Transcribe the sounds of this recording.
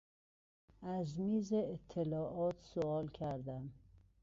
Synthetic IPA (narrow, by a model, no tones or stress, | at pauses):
æzmiːzeːt̪ʰːelɒːʔɒːt̪ʰsoɒːlkʰæɾd̪æm